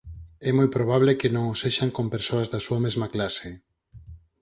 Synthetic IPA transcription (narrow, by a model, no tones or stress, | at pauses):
ɛmojpɾoβ̞aβ̞lekenõŋoseʃaŋkompeɾsoazðasuamezmaklase